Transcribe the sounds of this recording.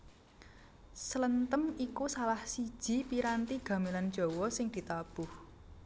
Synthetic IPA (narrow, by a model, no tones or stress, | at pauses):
sələnt̪əmikusalahsi̥ʒ̥i̤piɾant̪iɡ̥ä̤miland̥d͡ʒ̥o̤wɔsɪŋd̪̥i̤t̪ab̥ʊh